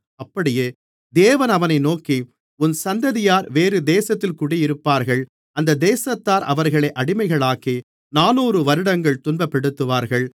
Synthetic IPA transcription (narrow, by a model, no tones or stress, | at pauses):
ɐpːɐɽɪjeː | d̪eːʋɐnɐʋɐnɐɪnoːki | ʊnsɐnd̪ɐðɪjaːɾʋeːɾɯd̪eːsɐt̪ːɪlkʊɽɪjɪɾɯpːaːɾɣɐɭ | ɐnd̪ɐd̪eːsɐt̪ːaːɾʔɐ̰ʋɐɾɣɐɭɐɪʔɐɽɪmɐɪɣɐɭaːki | naːnuːrɯʋɐɾɯɽɐŋɡɐɭt̪ʊnbɐpːɛɽɯt̪ːɯʋaːɾɣɐɭ